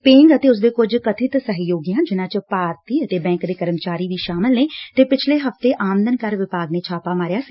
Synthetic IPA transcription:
pɪ̃ːŋɡət̪eːʊs̬d̪eːkʊd͡ʒkət̪ʰɪt̪səɦjoːɡijãːd͡ʒɪnãːt͡ʃpaːɾt̪iːət̪eːbɛ̃ːŋkd̪eːkəɾəmt͡ʃaːɾiːʋiːʃaːmɪlneːt̪eːpɪt͡ʃʰleːɦəft̪eːʔaːmənd̪ənkəɾʋɪpaːɡneːt͡ʃʰaːpaːmaːɾɪjaːsiː

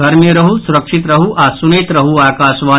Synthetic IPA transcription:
d̪ʱɐɾmijɐɾɐɦusuɾɐkʂit̪ɾɐɦuaːsunet̪ɾɐɦuaːkaːsʋaː

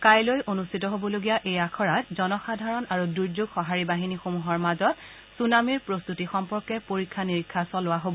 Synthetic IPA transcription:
kajlojʔonustʰitɔɦobɔloɡijaʔejakʰɔɹat̚zɔnɔxadʱaɹɔnaɹuduɹzuɡxɔɦaɹibaɦinixomuɦɔɹmazɔt̚ | sunamiɹpɹost̪utixɔmpɔɹkɛpoɹikʰːaniɹikʰːasɔlʊwaɦobɔ

